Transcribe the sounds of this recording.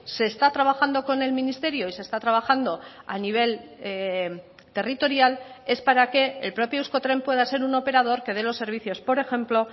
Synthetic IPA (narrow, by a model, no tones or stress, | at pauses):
se̞ːst̪at̪ɾaβaxand̪o̞ko̞ne̞lmĩnist̪e̞ɾjo̞ise̞st̪at̪ɾaβaxand̪o̞ | aniβ̞e̞l | t̪e̞rit̪o̞ɾjale̞spaɾake̞ːlpɾo̞pjousko̞t̪ɾe̞mpwe̞ð̞ase̞ɾuno̞pe̞ɾað̞o̞ɾke̞ðe̞lo̞sːe̞ɾβ̞iθjo̞spo̞ɾe̞xe̞mplo̞